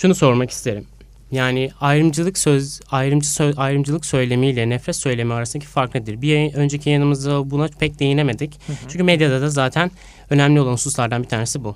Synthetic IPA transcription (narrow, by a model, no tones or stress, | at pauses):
ʃunuso̞ɾmaki̥st̪ʰe̞ɾim | jaːnɪajɾɯmd͡ʒɯlˠɯksøajɾɯmd͡ʒɯsøajɾɯmd͡ʒɯlˠɯksø̞jlʲe̞mijlʲɛnɛfɾʲɛt̪sø̞jlʲe̞mɛaɾasɯnd̪acʰi̥faɾklˠɯd̪iɾbijaø̞nd͡ʒecʰijanɯmɯzd̪abunapʰɛc̚d̪e̞jine̞me̞d̪ict͡ʃʰyɲcʰymɛd̪jad̪ad̪azaːt̪ʰæn | ø̞næmlʲio̞lˠanhususlˠaɾd̪anbit̪ʰaːɾnesibu